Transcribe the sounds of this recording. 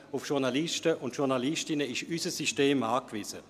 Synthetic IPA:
ʊfʃuʁnalɪʃtəʔʊntʃuʁnaliʃtɪnəɪʃysəsiʃteːmaːkvizə

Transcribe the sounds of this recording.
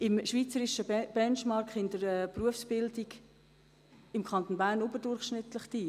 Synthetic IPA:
ɪmʃʋiːt͡səɾɪʃəb̥ɛnt͡ʃmɑɾkχɪndəɾɛːpruəfsb̥ɪldiɡ | ɪmkʰχɑnt̪onbæːɾnʊbəɾdʊrχʃnɪtləχtiː

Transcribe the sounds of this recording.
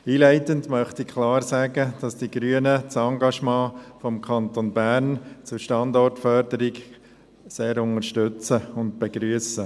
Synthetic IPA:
iːlæɪtəndmœχtɪkʰlɑːɾsæɡəd̥ɑsd̥iɡɾyənət͡sɑŋɡɑʃmɑ̃ːfɔmkʰɑnt̪onbæːɾnt͡sʊɾʃtɑndɔrtfœɾdəɾɪɡ | seːɾʊŋəʃtʏt͡səʊnt̚b̥eɡɾyəsə

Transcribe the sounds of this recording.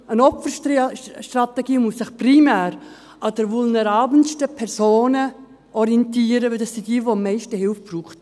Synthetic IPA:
ənɔpfə | ʃtratɛɡiːmusːɪχprimɛːɾ | ɑdəɾvulnɛɾɑːbn̩ʃtəpʰɛɾsoːnə | ʔɔɾijɛntiːɾəvɪldɑssid̥iːvoəmːɛɪʃtəhɪlfb̥ruːχt

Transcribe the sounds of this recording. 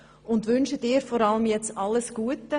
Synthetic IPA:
ʊndʋʏnʃədɪːɾfɔɾɑləmjɛt͡stɑlːəsɡ̥uətːə

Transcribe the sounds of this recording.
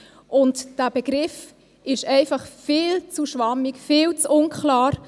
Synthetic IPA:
ʔʊntd̥æːb̥əɡ̥ɾɪf | ɪʃɛɪfɑχfiːlt͡suʃʋɑmikfɪːlt͡sʊnkʰlaːɾ

